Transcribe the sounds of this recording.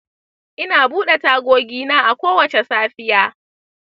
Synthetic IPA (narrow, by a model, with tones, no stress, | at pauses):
ʔɪ˦naː˨buː˦ɗe˨taː˦ɡʷoː˦ɡʲiː˦naː˦ʔa˨kʷoː˦wɐ˨t͡ʃe˨saː˦ɸɪ˦jaː˦